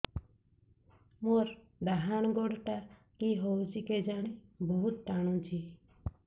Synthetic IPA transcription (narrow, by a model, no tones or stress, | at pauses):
moɾ | d̪aɦaːñɡoɽʈa | kiɦod͡ʒiked͡ʒaːɽibɔɦʊt̪̚ʈaɽ̃õt͡ʃʰi